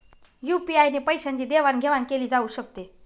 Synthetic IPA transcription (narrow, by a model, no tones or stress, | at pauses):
jupiajnepəjɕaɲt͡ɕiːd̪eʋanɡʱeʋankeliːd͡zauːɕəkt̪e